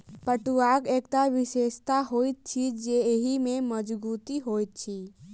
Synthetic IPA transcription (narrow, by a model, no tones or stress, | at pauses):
pəʈuakeːkt̪aʋɪʃeːʃt̪aɦoːit̪̚t͡ʃʰid͡ʒeɦimẽməd͡ʒbuːt̪iɦojt̪̚t͡ʃʰi